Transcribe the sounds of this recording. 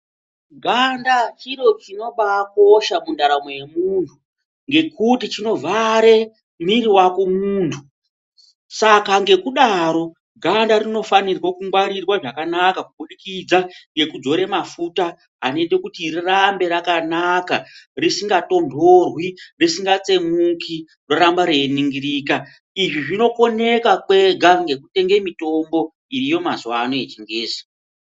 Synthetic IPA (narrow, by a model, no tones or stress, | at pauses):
ɡʱandat͡ʃiɾo̞t͡ʃino̞ɓako̞ʃamundaɾamoje̞muːntʰu | ŋɡe̞kutit͡ʃino̞vaɾe̞ | miriwako̞muːntʰu | sakaŋɡe̞kuɗaɾo̞ | ɡʱandaɾino̞fanirwakuŋɡwaɾirwaʐakanakakuɓuɗikid͡zaŋɡe̞kud͡zo̞ɾe̞mafuta | ɦanetekutirirambe̞ɾakanakarisiŋɡato̞ndʱorwirisiŋɡat͡se̞muki | roɾambaɾeniŋɡiɾiːka | iʐiʐino̞kone̞kakwe̞ɡʱaŋɡe̞kute̞ŋɡe̞mito̞mbo̞ | iɾijo̞mazuwaːno̞et͡ʃiŋɡeːsi̥